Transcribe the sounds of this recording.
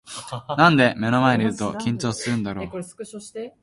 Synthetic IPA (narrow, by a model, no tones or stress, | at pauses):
nãnd̪e̞me̞no̞maeɲʲiɯ̟t̪o̞kʲĩɲ̟t͡ɕo̞ːsɨɾɯ̟̃nd̪aɾo̞ː